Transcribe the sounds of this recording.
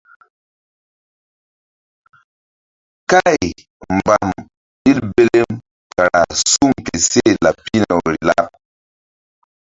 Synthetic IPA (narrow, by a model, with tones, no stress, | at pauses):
ka˦j | mba˨m | ɗi˦lbe˦le˦m | ka˨ɾa˨su˦˨mke˨se˦˨la˨pːi˦nɛ˨o˨ɾi˨la̰˦p̚